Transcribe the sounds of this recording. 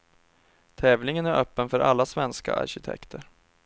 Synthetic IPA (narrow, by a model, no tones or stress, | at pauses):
t̪ʰɛːvlɪŋənæɾœːpːənfœɾʔa̰lːasvɛnska̰ʔa̰ɾɕɪt̪ʰɛ̰kt̪ʰəɾ